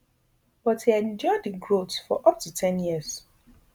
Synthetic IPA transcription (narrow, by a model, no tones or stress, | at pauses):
b̥ɔthiɛ̃nd͡ʒɔɪdiɡɹotsfɔ̰ʔʌp̚tʰutʰɛ̃njiəz̥